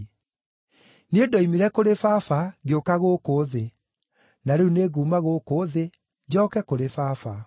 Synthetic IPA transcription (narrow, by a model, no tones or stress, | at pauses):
nedɔimiɾɛkoɾefaːfaɣeokaɣokoːðe | naɾeuneɣuːmaɣokoːðe | d͡ʑɔːkɛkoɾefafa